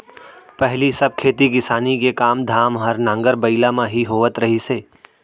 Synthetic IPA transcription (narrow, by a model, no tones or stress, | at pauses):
pɛɦlisɐb̚kʰeːt̪ikɪsaːnikekaːmd̪ʱaːmɦəɾnãːŋɡəɾbəɪlamãɦiɦoːʋət̪ɾɐɦiseː